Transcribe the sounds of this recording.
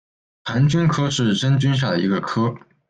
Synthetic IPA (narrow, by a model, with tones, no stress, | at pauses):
pʰa˧˥nt͡ɕy˥nkʰɤ˥ʂɻ̩˥˩ʈ͡ʂə˥nt͡ɕy˥nɕ̬ja˥˩d̪ə˩ḭ˧˥ɡə˧kʰɤ˥